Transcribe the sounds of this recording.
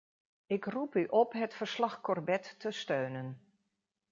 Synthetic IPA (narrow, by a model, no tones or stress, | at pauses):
ɪkrupyʔɔpɦətfərslɑxkɔrbɛtːəstøːnən